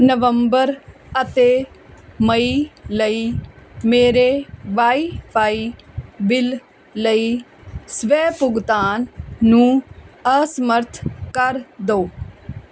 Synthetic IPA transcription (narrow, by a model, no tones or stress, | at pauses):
nəʋəmbəɾ | ət̪eː | məiːləiːmeːɾeːʋaːiːpaːiːbɪl | ləiːsʋɛːpʊɡt̪aːnːũːəsəməɾt̪ʰkəɾd̪oː